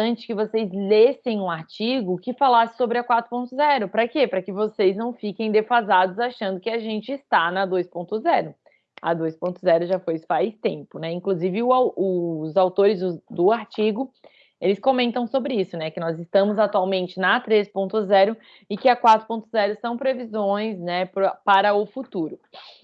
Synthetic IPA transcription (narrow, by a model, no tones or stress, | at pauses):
ɐ̃nt͡ʃɪ̥kɪvosejzlesẽj̃ũaɾt͡ʃiɡʊkɪfalasɪ̥sobɾɪɐkwat̪ɾʊpõnt̪ʊzɛɾʊpɾɐkepɾɐkɪvosejznɐ̃w̃fikẽj̃d̪efazad̪ʊzaʃɐ̃nd̪ʊkɪaʒẽnt͡ʃɪːst̪anɐd̪ojspõnt̪ʊzɛɾʊ | ɐ̰d̪ojspõnt̪ʊzɛɾʊʒafojfajst̪ẽmpʊnɛĩkluzivɪʊawʊzawt̪oɾɪzd̪ʊaɾt͡ʃiɡʊ | elɪskomẽnt̪ɐ̃w̃sobɾɪisʊnɛkɪnɔzɪst̪ɐ̃mʊzat̪uawmẽnt͡ʃɪnɐt̪ɾespõnt̪ʊzɛɾʊ | ɪkɪɐkwat̪ɾʊpõnt̪ʊzɛɾʊsɐ̃w̃pɾevizõj̃snɛpɾpaɾɐʊfut̪uɾʊ